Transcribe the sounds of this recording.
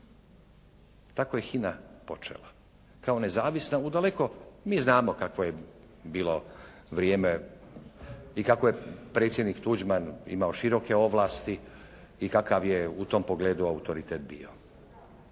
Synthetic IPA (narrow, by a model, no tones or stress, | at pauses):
t̪akoje̞xinapo̞t͡ʃḛla̰ | kao̞ne̞zaːʋisnaud̪alekomiːznaːmo̞kakʋoje̞ | biːlˠo̞ | ʋɾijeːme | ikako̞jepɾeːt̪sjed̪nikt̪ud͡ʒmanḭmaoʃiɾo̞ke̞o̞ʋlˠaːst̪i | ikakaʋjeut̪o̞mpoɡleːd̪uaut̪o̞ɾit̪eːt̪̚bḭːo̞